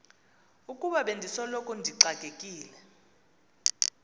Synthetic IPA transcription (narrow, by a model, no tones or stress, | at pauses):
ukʼuɓaɓendʱisɔlɔkʼɔndʱiǀakʼekʼiːlɛ